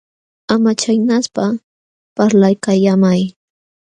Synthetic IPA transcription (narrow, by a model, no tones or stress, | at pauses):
amat͡ʃajnaspa | paɾlajkajamaj